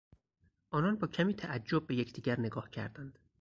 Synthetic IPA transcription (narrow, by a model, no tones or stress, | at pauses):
ʔɒːnɒnbɒːcʰæmiːt̪ʰæʔæd͡ʒːob̚ːe̞jecʰd̪iːɡɟæɾneɡɒːhcʰæ̰ɾd̪ænd̪̥